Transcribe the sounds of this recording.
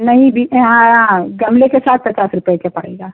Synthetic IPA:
nɐɦĩbʱiɦãɦãɡɐmlekesaːt̪̚pɐt͡ʃaːsɾʊpekepɐɽ̤eɡaː

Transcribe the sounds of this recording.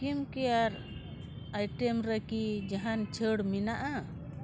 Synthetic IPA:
kimkɛaɾ | ajʈɛmɾekid͡ʒaɦant͡ʃʰəɽminaʔa

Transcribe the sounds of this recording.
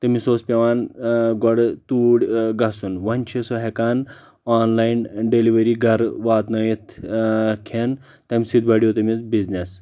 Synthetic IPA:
t̪ɐmisospʲeʋaːnɡɔɽt̪uːɽʲɡasunʋɐnt͡ʃʰesoɦekaːn | anlajnɖeliʋɐɾiɡʱɐɾʋaːt̪nɐjit̪ | kʰen | t̪ɐmisid̪̚baɽiot̪ɐmit͡sbid͡znes

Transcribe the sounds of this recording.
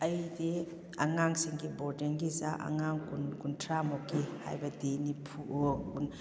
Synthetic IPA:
ɐjdi | aŋaŋsiŋɡibɔdiŋɡiza̰ʔa̰ŋaŋkunkuntʰɾamɔkːiha̰jbɐdinipʰuʔokun

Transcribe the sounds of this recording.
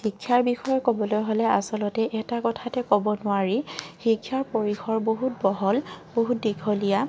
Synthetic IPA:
xikʰːjaɹbixɔjɔkobɔlojɦolɛasɔlɔtɛʔɛtakɔtʰatɛkobɔnʊaɹixikʰːjaɹpoɹixɔɹboɦut̚bɔɦɔlboɦut̚dikʰɔlija

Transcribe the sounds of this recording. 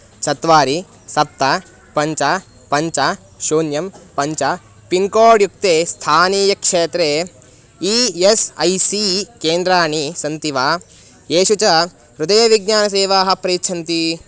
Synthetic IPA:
t͡ʃɐt̪ʋaːɾi | sɐp̚t̪a | pɐɲt͡ʃa | pɐɲt͡ʃa | ʃuːnjɐmpɐɲt͡ʃɐ | piŋkoːɖjuk̚t̪eːst̪ʰaːniːjɐkʂeːt̪ɾeː | iesɐjsikeːnd̪ɾaːɳisɐnt̪iʋaː | eːʃut͡ʃɐ | ɾud̪ɐjɐʋiɡɲaːnɐseːʋaːɦɐpɾiːtːt͡ʃʰɐnt̪i

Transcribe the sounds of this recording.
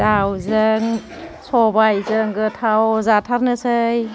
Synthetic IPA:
dawzɯŋ | sɔbajzɯŋɡɯtʰawzatʰaɾnɯsɯj

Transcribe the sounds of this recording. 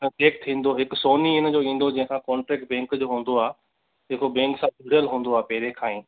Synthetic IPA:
ʈeːk̚t̪ʰĩːn̆d̪oɦɪksoːniɪnd͡ʑoːĩːn̆d̪od͡ʑɐ̃ɦɪ̃kʰãkɔ̃ːɳʈɾɛːk̚ʈ̚bɛ̃ːŋkd͡ʑoːɦũːn̆d̪oaː | d͡ʑeːkobɛ̃ːŋksãːdʊɽəlɦũːn̆d̪oaːpɐɦɪɾẽkʰãːĩː

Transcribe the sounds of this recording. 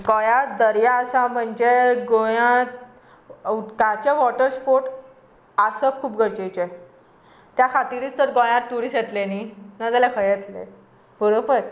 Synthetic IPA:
ɡojãt̪d̪əɾjaəsaməɳd͡ʑeɡojãt̪̚ | ukat͡ɕeʋɔʈəɾspoɾʈ | asəp̚kʰuːp̚ɡʱəɾt͡ɕejt͡ɕe | t̪jakʰat̪iɾiːt͡st̪əɾɡojãt̪ːuɽiset̪leninəd͡zalakʰəjet̪lḛ | bəɽopəɾ

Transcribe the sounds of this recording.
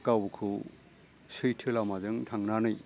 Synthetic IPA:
kawkʰu | sɯjtʰɯlamazɯŋtʰaŋnanɯj

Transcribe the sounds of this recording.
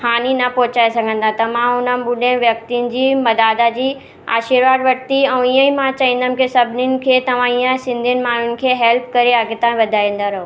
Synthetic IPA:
haːninɐpɔːt͡ɕaːesɐɡʱə̃nd̪ãt̪ɐmãʊnənɓʊɗẽʋjɐk̚t̪iʊnɪ̆d͡ʑiːmɐd̪aːd̪ad͡ʑiː | a̰ːʃiɾʋaːd̪ʋɐʈ̚t̪iɛ̃iə̃imãt͡ɕaːĩːn̆d̪əmɪ̆kesɐbʱɪnɪnɪ̆kʰeːt̪ɐʋ̤ãijə̃sɪ̃nd̪ʱiɪnɪ̆maːn̤ʊnɪ̆kʰeːɦɛlp̚kɐɾeaɡet̪ãːĩʋɐd̪ʱaːĩn̆d̪aɾɐɦo

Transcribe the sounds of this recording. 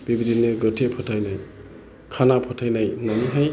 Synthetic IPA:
b̥ibidinɯɡɯtʰepʰɔtʰajnaj | kʰanapʰɔtʰajnajnaniɦaj

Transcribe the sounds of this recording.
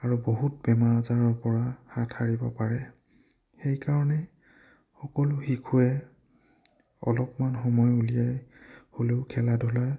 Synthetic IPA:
aɹuboɦut̚bɛmaɹzaɹɔɹpɔɹahatʰhaɹibɔpaɹɛ | xejkaɹɔnɛ | xɔkɔlʊxikʰuɛ | ɔ̰lɔpmanxɔmɔjulijajholeʊkʰɛladʱɔla

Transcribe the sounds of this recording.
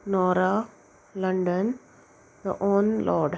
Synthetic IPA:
nɔːɾa | lɐ̃ɳɖə̃n | d̪ə̰ʔõːnlɔːɖ

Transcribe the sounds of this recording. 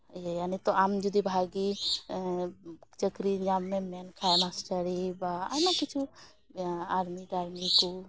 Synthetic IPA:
jjanet̪ɔamd͡ʒud̪ibʱaɡi | t͡ʃəkɾinammemenkʰanasʈəɾibaa̰makit͡ʃʰu | aɾmid̪ʱaɾmiku

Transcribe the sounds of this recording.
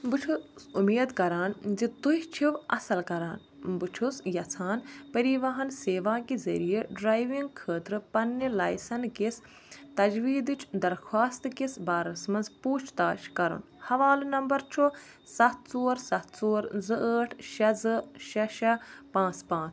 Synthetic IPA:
but͡ʃʰusumeːd̪kɐɾaːnd͡ʒit̪uɦʲt͡ʃʰiʋɐsɐlkɐɾaːn | but͡ʃʰusjɐt͡sʰaːnpɐɾiʋaɦɐnseːʋãːkizɐ̰ɾijeɖɾaːjʋiŋɡkʰəːt̪ɾɨpɐnːelaːjsɐnkis | t̪ɐd͡ʒʋiːd̪ɨt͡ʃʰd̪ɐɾxʰwaːst̪kisbaːɾɐsmɐnzpuːt͡ʃʰt̪aːʃkɐɾṵn | hɐʋaːlunɐmbɐɾt͡ʃʰo | sɐt̪̚ʰt͡soːɾsɐt̪ʰt͡soːɾzɨʔəːʈʰʃɐzɨʃɐʃɐpãːt͡spãːt͡sʰ

